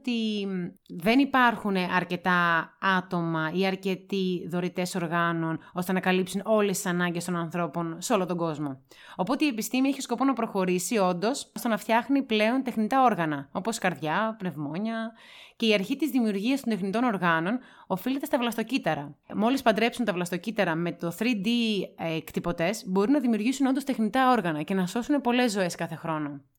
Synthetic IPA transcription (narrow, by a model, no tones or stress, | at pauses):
t̪i | ðe̞nipɐɾxuneʔɐɾce̞t̪ɐɐt̪o̞mɐiɐɾce̞t̪iðo̞ɾit̪e̞so̞ɾɣɐno̞no̞st̪e̞nɐkɐlipsuno̞lest̪i̥sɐnɐɲɟest̪o̞nɐnθɾo̞po̞nseo̞lot̪o̞ɡo̞zmo̞ | o̞po̞t̪e̞iepist̪imieçisko̞po̞nɐpɾo̞xo̞ɾisio̞nd̪o̞sst̪onɐft̪çɐxniple̞o̞nt̪exnit̪ɐo̞ɾɣɐnɐo̞po̞skɐɾðʝɐpne̞vmo̞ɲɐ | ce̞iɐɾçit̪izðimiuɾʝiɐst̪ond̪exnit̪o̞no̞ɾɣɐno̞n | o̞file̞t̪e̞st̪ɐvlɐst̪o̞cit̪ɐɾɐmo̞lispɐnd̪ɾe̞psunt̪ɐvlɐst̪ocit̪ɐɾɐme̞t̪o̞θɾid̪ikt̪ipo̞t̪e̞zbo̞ɾinɐðimiuɾʝisuno̞nd̪ost̪e̞xnit̪ɐo̞ɾɣɐnɐce̞nɐso̞sunepo̞le̞zːo̞e̞skɐθe̞xɾo̞no̞